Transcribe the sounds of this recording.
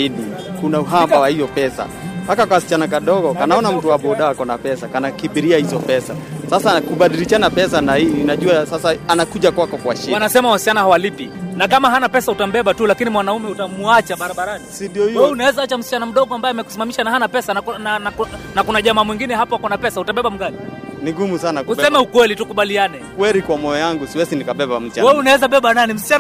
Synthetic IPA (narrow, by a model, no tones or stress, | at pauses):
iɗi | kunauɦambawahijɔpɛsa̰ | hakakwawasi̥t͡ʃanakaɗɔɣɔkanaɔnam̩tuwaɓɔɗaakɔnapɛsakanakiɓiɾiahizɔpɛsasasakuɓaɗiliʃanapɛs̬anaiinaʄuasasaanakuʄakwakɔkwaʃiwanasɛmawasi̥t͡ʃanahawalipinakamaɦanapɛsautam̩bɛɓatulakinimwanaumɛutamuat͡ʃaɓaɾaɓaɾanisindiɔhiwɛunawɛzaat͡ʃam̩si̥t͡ʃanam̩ɗɔɠɔambajɛamɛku̥simamiʃanaɦanapɛsannanaknakunaʄamaːmwiŋɡinɛɦapɔhakɔnapɛsautaɓɛɓam̩ɡaliniɡumusanakuusɛmɛukwɛlitukuɓalianɛkwɛɾikwamɔjɔjaŋɡusiwɛsinikaɓɛɓam̩st͡ʃawɛunawɛzaɓɛɓananim̩sit͡ʃan